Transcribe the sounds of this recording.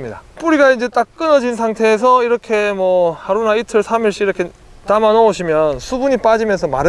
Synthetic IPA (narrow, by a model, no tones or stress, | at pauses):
mɲida̰p͈uɾiɡaind͡ʑe̞t͈ak̚k͈ɯnʌd͡ʑinsʰaŋtʰe̞ːs̬ʰʌiɾʌkʰe̞mwʌhaɾunaitʰɯɭsʰamiɭɕ͈iːɾʌkʰe̞ | tamanʌoɕʰimjʌnsʰubuɲip͈ad͡ʑimjʌnsʰʌmaɾɯ